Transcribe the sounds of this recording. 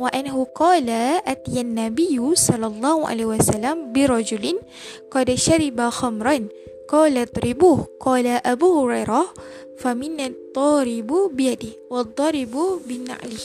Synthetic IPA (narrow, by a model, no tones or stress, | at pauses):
waʔanːaɦuqɑːlaʔat̪ijanːabijusɑlːɑlˤːɑːhuʔa̰lehiwasalːambɪɾˤɑd͡ʒulɪn | qɑdʃaɾibaxamɾˤan | qɑːlat̪ˤɾibuːhqɑːlaʔabuhuɾajɾah | famɪnːat̪ˤːɑɾɪbubɪjadɪhwɑd̪ˤːɑɾɪbubɪna̰ʔlɪh